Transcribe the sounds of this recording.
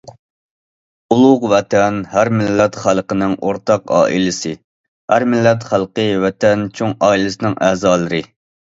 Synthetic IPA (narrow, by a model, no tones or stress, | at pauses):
ulˠʊqwɛt̪ʰɛnhæɾmɪlːɛt̪χælˠqənɪŋoɾt̪ɑqɑ̰ːʔḭlɪsɨ | hæɾmɪlːɛt̪χælˠqəwɛt̪ʰɛnt͡ʃʰoŋɑːilɨsɨnɪŋʔæzɑːlˠɨɾɨ